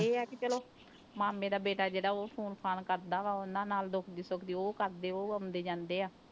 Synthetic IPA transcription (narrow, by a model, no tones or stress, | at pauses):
eːɛːkit͡ʃəloː | maːmẽːd̪aːbeːʈaːd͡ʒeːɽaːoːpʰoːnpʰaːnkəɾd̪aːʋaːʊnãːnaːld̪oːkʰd̪iːsokd̪iːoːkəɾd̪eːoːəmd̪eːd͡ʒãːnd̪eːaː